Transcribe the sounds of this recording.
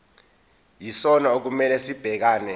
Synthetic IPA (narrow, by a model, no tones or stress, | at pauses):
jisɔnaok̬umɛlɛsib̥ʱɛk̬aːnɛ